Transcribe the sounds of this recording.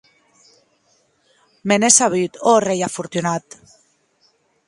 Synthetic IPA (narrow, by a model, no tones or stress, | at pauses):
menesaβyt̪orejafuɾt̪unat̪